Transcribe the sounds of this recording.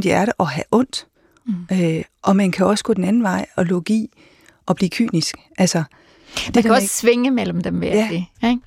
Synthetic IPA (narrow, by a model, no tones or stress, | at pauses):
d̥iæɐɾəʔɒ̽ɦæʔɔ̽n̰d̥ | øʔɒ̽mænkʰæɒ̽sɡ̥ɔ̽d̥enænn̩ʋɑ̈ɪ̰ɒ̽loɡ̥ḭː | ʔɒ̽b̥liːkʰy̰ːnisɡ̥ʔælsɐ | dd̥eækʰɒsʋeŋəmel̰m̩d̥emʋeæ̥e